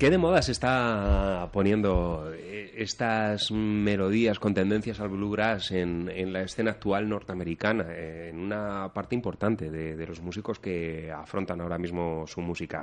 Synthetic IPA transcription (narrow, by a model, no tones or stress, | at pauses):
ke̞ðe̞mo̞ð̞ase̞st̪a | po̞nje̞nd̪o̞ | eest̪azme̞lo̞ð̞iasko̞nt̪e̞nd̪e̞n̟θjasalβluɣɾase̞nenlae̞sθe̞naːk̚t̪ualno̞ɾt̪eame̞ɾikanaenunapaɾt̪eimpo̞ɾt̪ant̪e̞ðe̞ðe̞lo̞zmusiko̞ske̞afɾo̞nt̪anao̞ɾamizmo̞sumusika̰